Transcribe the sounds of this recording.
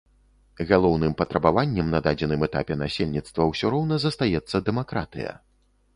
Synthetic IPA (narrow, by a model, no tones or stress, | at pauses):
ɣalˠɔwnɨmpɐt̪ɾɐbavanʲːɛmnɐd̪ad͡zʲɛnɨmɛt̪a̰pʲɛnasʲelʲnʲit̪st̪vɐwsʲɔɾɔwnɐzɐst̪ajɛt̪sːɐd̪ɛmakɾa̰t̪ɨ̰jɐ̰